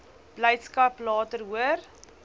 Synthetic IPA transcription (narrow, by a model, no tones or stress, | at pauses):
b̥ləjtskɐplɑːtərɦuər